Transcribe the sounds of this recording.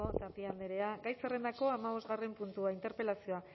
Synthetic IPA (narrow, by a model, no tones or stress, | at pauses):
ot̪apiand̪eɾe̞aɡajsere̞nd̪ako̞amaβ̞o̞zɣare̞mpunt̪uaint̪e̞ɾpe̞lasio̞a